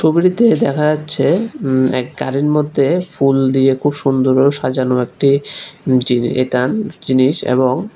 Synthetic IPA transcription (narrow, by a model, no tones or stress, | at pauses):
ʃobiɾit̪ed̪ɛkʰad͡ʑatːɕʰeɛ̰kɡa̰ɾiɾmod̪ʱːefuld̪iekʰubʃund̪oɾeoʃad͡ʑanoek̚ʈi | d͡ʑiḛt̪and͡ʑiniʃḛboŋ